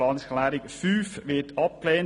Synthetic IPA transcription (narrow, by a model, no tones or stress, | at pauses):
ɑnsχəlæːɾɪkfyːfʋɪtʰɑp̚klɛːn